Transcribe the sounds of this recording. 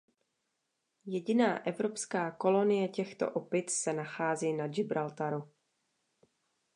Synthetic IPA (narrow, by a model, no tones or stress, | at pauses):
jɛɟɪnaːʔɛvɾo̞pskaːko̞lo̞nɪjɛcɛxt̪o̰ʔopɪt̪sɛnaxaːziːnad͡ʒɪbɾalt̪aɾu